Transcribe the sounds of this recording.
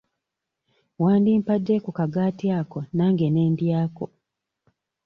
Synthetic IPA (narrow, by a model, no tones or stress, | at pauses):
waːndimpadːekukaɡaːtiaːkonaːŋɡeneːndjaːko